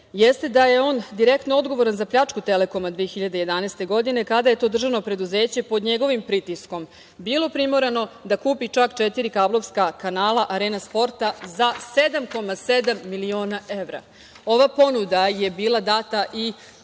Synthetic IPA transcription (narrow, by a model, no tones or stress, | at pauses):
jest̪e̞d̪aje̞o̞ːnd̪iɾe̞kt̪noo̞d̪ɡo̞ʋo̞ɾanzapʎat͡ʂkut̪e̞le̞ko̞mad̪ʋeːxiʎad̪e̞je̞d̪anejst̪e̞ɡo̞d̪ine̞kad̪aje̞t̪o̞ːd̪r̩ʒano̞pɾe̞d̪uze̞ːt͡ɕe̞po̞d̪ɲe̞ɡo̞ʋimpɾit̪isko̞m | biːlˠo̞pɾimo̞ɾeno̞d̪akuːpit͡ʂakt͡ʃet̪iɾikaːblo̞ʋskakanaːlˠaʔaɾeːnaspo̞ɾt̪azased̪amko̞mase̞d̪amːilio̞ːnaʔe̞ʋɾa̰ | o̞ʋapo̞nud̪aje̞biːlˠad̪aːt̪aʔi